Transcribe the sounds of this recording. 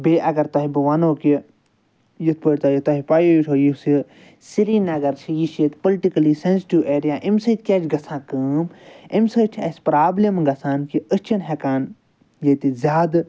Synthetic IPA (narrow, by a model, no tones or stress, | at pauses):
beːʔɐɡɐɾt̪ɐɦibɨʋɐnoːki | jit̪̚ʰpəɾʲt̪aːjit̪ɐɦipaːjoːjit͡ʃʰoːjisi | siɾiːnɐɡɐɾt͡ʃʰijiʃet̪polʈikɐliːsensiʈiweːɾijaːʔimsət̪̚kʲeːt͡ʃʰɡɐsʰãːkəːmimsəːt͡ʃʰɐsʲpɾaːblʲɐmɡɐsaːnkiəst͡ʃʰinɦekaːn | jet̪izʲaːd̪